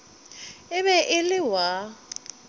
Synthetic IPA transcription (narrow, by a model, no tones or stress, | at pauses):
ɪβɛʔɪlɪwa